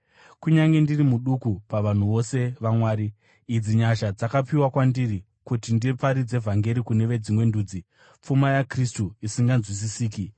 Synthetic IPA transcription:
kuɲaŋɡe̞ndirimuɗukupaʋan̤uʋo̞se̞ʋamwaːɾiː | id͡ziɲaʃad͡zakapiwakwandiri | kutindipaɾid͡ze̞vʱaŋɡe̞ɾikune̞ʋe̞d͡zimwe̞nduːd͡zi | p͡fumajakristuisiŋɡanzwis̬isiːki

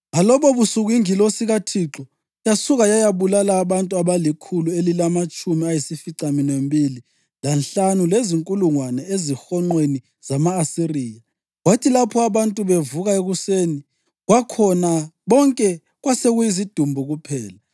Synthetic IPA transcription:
ŋalɔβɔβusuɣiŋilosiɣatʰiǁɔ | jasuɣajajaβulalaːβantʼuaβalikʰuluelilamat͡ʃʼumiajisifiǀaminembʱili | lanɬanuleziŋkʼuluŋwanɛezixɔŋ͡ǃweni | z̥amaːsiriːja | ɣwatʰilapʰɔaβantʼuβevuɣaeɣuseːni | ɣwakʰɔnaβɔŋkʼɛ | ɣwaseɣujizid̥ʱumbʱuɣupʰɛːla

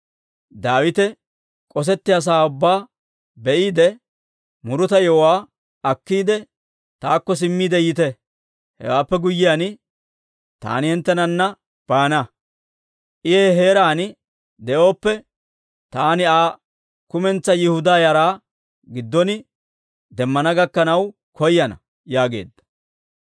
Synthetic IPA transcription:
d̪aːwɪt̪ɛ | kʼɔs̬ɛt̪ːɪjas̬aːʊbːaː | bɛʔiːd̪ɛ | mʊɾʊt̪ɐjɔwaː | ɐkːiːd̪ɛ | t̪aːkːɔs̬ɪmːiːd̪ɛjɪt̪ɛ | hɛ̰waːpːɛɡʊjːɪjaːnɪ | t̪a̰ːnɪhɛnt̪ːɛnɐnːɐ | b̥aːnɐ | ʔɪeːɦe̞ːɾaːnɪ | d̪ɛʔo̞ːpːɛ | t̪aːnɪaː | kʊmɛnt͡sːɐjɪhʊd̪aːjɐɾaː | ɡɪd̪ːɔnɪ | d̪ɛmːɐnɐɡɐkːɐnɐw | kɔjːɐnɐ̰ | jaːɡe̞̰ːd̪ːɐ̥

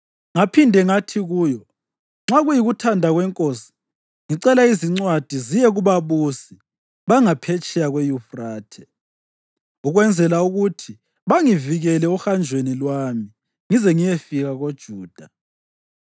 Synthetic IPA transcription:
ŋapʰindʱɛŋatʰiɣuːjɔ | ŋ͡ǁaɣujiɣutʰandʱaɣwɛŋkʼosi̥ | ŋiǀɛlaiziŋ͡ǀwad̥ʱizijɛɣuβaβusi | βaŋapʰet͡ʃʼɛjaɣwejufraːtʰɛ̥ | uɣwɛnd͡zʱɛlauɣutʰi | βaŋiviɣɛlɛuxand͡ʒʱwenilwami | ŋizɛŋijefiɣaɣod̥ʒ̥ʱuːd̥ʱa

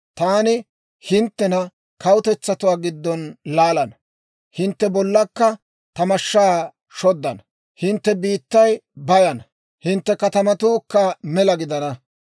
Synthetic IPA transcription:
t̪aːnɪ | hɪnt̪ːɛnɐ | kɐwʊt̪ɛt͡sːɐt̪ʊwaːɡɪd̪ːɔnlaːlɐnɐ | hɪnt̪ːɛbɔlːɐkːɐ | t̪ɐmɐʃːaː | ʃɔd̪ːɐn | hɪnt̪ːɛbiːt̪ːɐjbɐjɐnɐ | hɪnt̪ːɛkɐt̪ɐmɐt̪uːkːɐmɛlɐɡɪd̪ɐnɐ

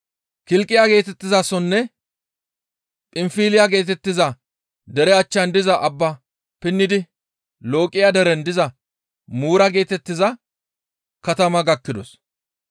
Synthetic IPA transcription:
kɪlkʼːɪjaɡe̞ːt̪ɛt̪ːɪzasɔnːɛ | pʼɪmfiːlɪjaɡe̞ːt̪ɛt̪ːɪzɐ | d̪ɛɾɛɐt͡ʃːɐnd̪ɪzɐʔɐbːɐ | pɪnːɪd̪ɪ | lo̞ːkʼːɪjad̪ɛɾɛnd̪ɪzɐ | muːɾɐɡe̞ːt̪ɛt̪ːɪzɐ | kɐt̪ɐmɐɡɐkːɪd̪ɔ̰s

